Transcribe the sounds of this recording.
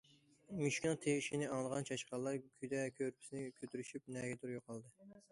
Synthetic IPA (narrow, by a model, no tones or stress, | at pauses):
myʃkʲynɨŋt̪ʰeiʃinɪɑŋlˠəʁɑnt͡ʃʰɑʃqɑlˠːɑɾkʲʰyd̪ɛkʲʰøɾpʰɪ̥sɪnɪkʲʰøt̪yɾyʃyp̚nɛɡʲɛd̪uɾjoqʰɑlˠd̪ɨ